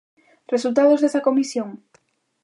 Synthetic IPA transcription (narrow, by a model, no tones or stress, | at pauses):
result̪aðozðesɐkomisjoŋ